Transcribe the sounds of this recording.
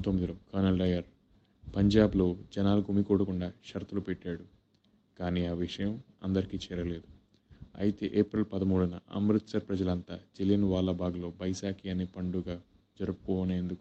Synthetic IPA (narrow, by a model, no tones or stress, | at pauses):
t̪omːid̪iloːkɐnɐlɖɐjɐɾ | pɐɲd͡ʒaːblo̞ːd͡ʒɐnaːluɡʱumikɔːɽɐkuɳɖaːʃɐɾt̪ulupɛʈːaːɽu | kaːniːaːʋiʂɐjɐm | ɐ̰nd̪ɐɾikiːt͡ʃɛːɾɐle̞ːd̪u | ɐ̰jit̪eʔeːpɾɐlpɐd̪ɐmuːɽunɐ̰ɐ̰mɾut̪sɐɾpɾɐd͡ʒɐlɐnt̪aːd͡ʒelinʋaːlɐbʱaːɡlo̞ːbɐjsaːkijaːnːipɐɳɖuɡaː | d͡ʒɐɾɐpu̥kɔːne̞ːnd̪uku